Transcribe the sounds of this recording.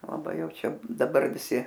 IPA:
lˠɐˈbɐɪ ˈjɛʊ ˈt͡ʃʲɛ ˈdɑːbɐr ʋʲɪˈsʲɪ

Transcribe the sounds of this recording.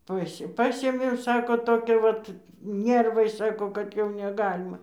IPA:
ˈpɐsʲ ˈpɑːsʲeːmʲeːm ˈsɑːkoː toːˈkʲæː ˈʋɐt ˈnʲɛrʋɐɪ ˈsɑːkoː kɐt ˈjɛʊ nʲɛˈɡɑːlʲɪmɐ

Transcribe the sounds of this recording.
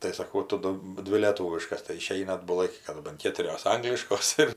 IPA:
tɐɪ sɐˈkɐʊ ˈtʊ ˈdʊ ˈdʲʋʲɪ lʲeːˈtuːʋʲɪʃkɐs tɐɪ ɪˈʃʲɛɪnɐ ɐdbʊˈlˠɐɪ kɐɪ kɐˈdʊ bɐn ˈkʲeːtʊrʲoːs ˈɐŋɡlʲɪʃkoːs ɪr

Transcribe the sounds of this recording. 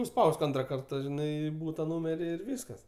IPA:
nʊˈspɐʊsk ˈɐntrɐ ˈkɐrtɐ ˈʒʲɪnɐɪ ˈbuːtɐ ˈnuːmʲɛrʲɪ ɪr ˈʋʲiːskɐs

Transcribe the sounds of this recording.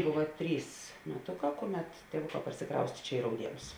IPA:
ˈboːʋɐ ˈtʲrʲiːs mʲɛˈtoːˌkɑː ˈkoːˌmʲɛt tʲeːˈʋʊˌkɑː pɐrʲsʲɪˈkrɐʊsʲtʲeː ˈt͡ʃʲɛ ɪ rɐʊˈdʲiɛnʊs

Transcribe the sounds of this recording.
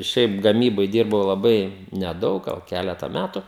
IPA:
ˈʃʲɛɪp ɡɐˈmʲiːboːj ˈdʲiːrbɐʊ lˠɐˈbɐɪ nʲɛˈdɐʊk ˈɡɐlˠ ˈkʲælʲɛtɐ ˈmʲætʊ

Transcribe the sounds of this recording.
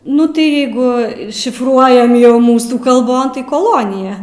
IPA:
ˈnʊ tɐɪ ˈjɛɪɡʊ ʃʲɪfˈruɔjɛm ˈjɛʊ ˈmuːsuː kɐlˠˈboːn koːˈlˠoːnʲɪjɛ

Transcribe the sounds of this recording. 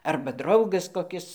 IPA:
ˈɐrbɐ ˈdrɐʊɡɐs koːˈkʲɪs

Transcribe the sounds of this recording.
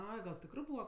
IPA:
ˈɐɪ ɡɐlˠ ˈtʲɪkrɜ ˈbuːʋɐ

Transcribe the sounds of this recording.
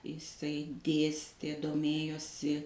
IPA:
ɪˈsɐɪ ˈdʲeːsʲtʲeː doːˈmʲeːjoːsʲɪ

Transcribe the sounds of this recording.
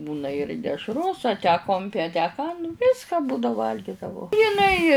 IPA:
ˈbuːnɐ ɪr dʲɛʃˈroːs ɐ tʲæː ˈkoːmʲpʲɪ ɐ tʲæː ˈkɑː ˈʋʲɪskɐ ˈbuːdɐ ˈʋɐlʲɡʲɪdɐʋɐʊ jɪˈnɐɪ

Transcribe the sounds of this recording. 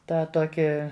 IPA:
ˈtɑː ˈtoːkʲiː

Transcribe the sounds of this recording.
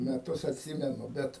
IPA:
mʲɛˈtʊs ɐtʲˈsʲiːmʲɛnʊ ˈbʲɛt

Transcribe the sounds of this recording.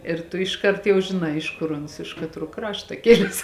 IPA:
ɪr ˈtʊ ɪʃˈkɐrt jɛʊ ʒʲɪˈnɐɪ ˈɪʃ kʊr ˈʊns ɪʃ kɐtˈruɔ ˈkrɑːʃtɐ ˈkʲɪlʲɛs

